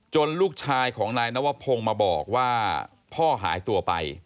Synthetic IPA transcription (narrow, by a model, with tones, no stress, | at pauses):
t͡ɕo˧nluː˥˩k̚t͡ɕʰaː˧jkʰɔː˩˦ŋnaː˧jna˦˥˩wa˦˥pʰo˧ŋmaː˧bɔ̰ː˨˩k̚waː˥˩ | pʰɔː˥˩ɦa̰ː˩˦jt̪u˧ɐpa̰˧j